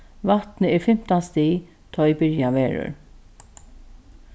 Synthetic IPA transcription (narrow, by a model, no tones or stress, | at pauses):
ʋat̪nəɛɹfɪm̥t̪ast̪iː | t̪ʰɔɪbɪɹjaʋeːɹʊ̰ɹ